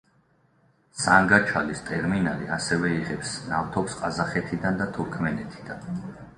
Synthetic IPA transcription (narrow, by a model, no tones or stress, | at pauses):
saŋɡat͡ʃʰalist̪ʼɛɾminalḭa̰sɛvɛiʁɛpsnaft̪ʰɔpsqʼazaχɛt̪ʰid̪and̪at̪ʰuɾkʰmɛnɛt̪ʰi̥d̪̥an